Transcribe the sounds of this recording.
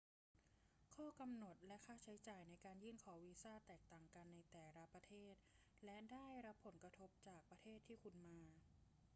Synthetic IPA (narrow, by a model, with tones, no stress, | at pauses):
kʰɔː˥˩ka˧mno˨˩t̪̚lɛ˦˥ʔkʰaː˥˩t͡ɕʰa˦˥jt͡ɕaː˨˩jna˧jkaː˧njɯː˥˩nkʰɔː˩˦wiː˧saː˥˩t̪ɛː˨˩k̚t̪aː˨˩ŋka˧nːa˧jt̪ɛː˨˩ɾa˦˥pɾa˧t̪ʰeː˥˩t̪̚ | lɛ˦˥daː˥˩jɾa˦˥pʰːo˩˦nkɾa˧t̪ʰo˦˥p̚t͡ɕaː˨˩k̚pɾa˧t̪ʰeː˥˩t̪ʰːiː˥˩kʰu˧nmaː˧